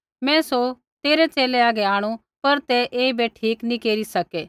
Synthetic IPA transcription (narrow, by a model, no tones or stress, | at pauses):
mɛ̃ːso | t̪eːɾet͡ʃeːleaːɡeaːɽ̃u | pɐɾt̪ɛʔeːibeʈʰiːknĩkeːɾisɐkeː